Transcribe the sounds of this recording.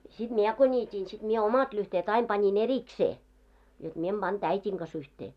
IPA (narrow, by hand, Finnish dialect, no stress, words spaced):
sid̥ miɛ ko nʲiːtʲiːn sid̥ miɛ omɑt lyhteːt ɑim pɑnʲin erikseː jot mie em b̥ɑnd̥ æitʲiŋ ɡ̊ɑs yhteː